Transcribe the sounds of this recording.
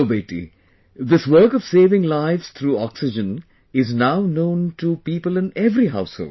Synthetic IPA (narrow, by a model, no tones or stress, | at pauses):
beɪʈḭ | d̪ɪswəɾkɔʋ̥seːʋɪ̃ŋlaɪʋz̥t̪ʰɾuːɔksɪd͡ʒə̃n | ɪznaʊnõʊ̃nʈupiːpəlɪ̃nɛvɾiɦaʊsho̰ːld̥